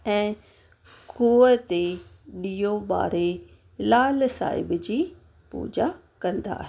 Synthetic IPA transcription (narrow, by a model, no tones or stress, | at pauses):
ɛ̃ː | kuːət̪e | ɗiːjoɓa̰ːɾe | laːlsa̰ːɪ̰bd͡ʑiː | pṵːd͡ʑa | kɐ̃nd̪a̰ːɦe